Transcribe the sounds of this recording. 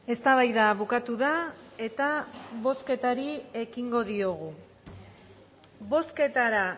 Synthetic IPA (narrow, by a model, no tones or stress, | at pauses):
e̞st̪aβajðaβukat̪uðae̞t̪aβo̞ske̞t̪aɾie̞kiŋɡo̞ðio̞ɣ̞u | βo̞ske̞t̪aɾa